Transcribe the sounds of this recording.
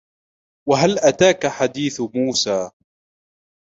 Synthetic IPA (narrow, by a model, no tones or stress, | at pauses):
waɦalʔat̪aːkaħad̪iːθmuːsaː